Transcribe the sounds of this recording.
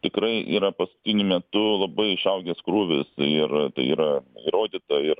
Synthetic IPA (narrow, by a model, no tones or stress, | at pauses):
t̪ʲɪkɾɐɪʔiːɾɐpɐskʊ̥t̪ʲɪnʲʊmʲɛt̪ʊlˠɐbɐɪɪʃɐʊɡʲɛskɾuːʋʲɪsɪrt̪ɐ̰ɪiːɾɐiɾoːd̪ʲiːt̪ɐɪr